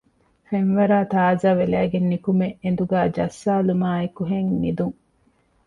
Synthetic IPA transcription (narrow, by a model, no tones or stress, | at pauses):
feŋʋɐɾaːt̪aːzaːʋelæːɡenːikumeʔend̪uɡæːd͡ʒɐsːaːlumaːekuɦeŋmid̪uŋ